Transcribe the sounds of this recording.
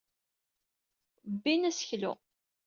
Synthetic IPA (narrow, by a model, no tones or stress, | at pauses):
bːinæsə̥çlʊ̰